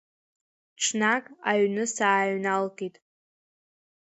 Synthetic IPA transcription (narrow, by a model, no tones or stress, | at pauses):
ʈ͡ʂʰnakʼaɥnɨsaːɥnalkʼitʼ